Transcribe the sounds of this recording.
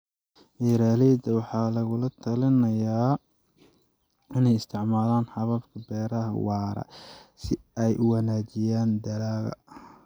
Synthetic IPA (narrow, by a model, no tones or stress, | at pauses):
iɾaːlɛːd̪ɐwɑħɑːlɐɣʊlɐt̪ʰɐlɪnɐjaː | ɪnɛjɪst̪ʰɪʕmaːlaːnħɑβɐbkʰɐbɛːɾɐɦɐ̰wɑːɾɐ̰sɪɛjʔʊwɑnaːt͡ʃɪjaːnd̪ɐlaːɣɐ̰